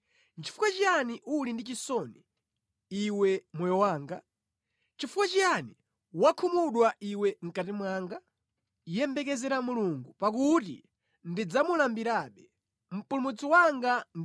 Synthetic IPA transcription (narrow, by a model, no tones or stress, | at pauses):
nt͡ʃʰi̥fukwat͡ʃijaniʔulindit͡ʃisɔni | iwɛmɔjɔwaːŋɡa | t͡ʃifukwat͡ʃijani | wakʰumuɗwaʔiwɛŋ̩katimwaːŋɡa | jɛmbɛk̬ɛzɛɾamuluŋɡupak̬utḭ | ndid͡zamulambiɾaɓɛ | m̩pulumut͡sɔwaŋɡan